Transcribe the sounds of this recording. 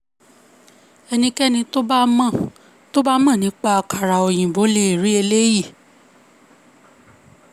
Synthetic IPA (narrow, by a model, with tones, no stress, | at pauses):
ɛ˧nĩ˧kɛ˦nĩ˧to˦ba˦mã˦˨ | to˦ba˦mã˦˨nĩ˨˦k͡pa˦a˧ka˨ɾa˨o˨j̃ĩ˨bo˨˦le˧i˨ɾi˨˦e˧le˦ji˦˨